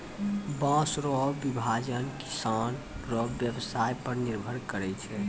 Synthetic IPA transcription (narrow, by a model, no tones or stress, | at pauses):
bãsɾɔbːibʱad͡ʒənki̥san | ɾɔːjəbsajpəɾniɾbʱəɾkəɾɛt͡ʃʰɛ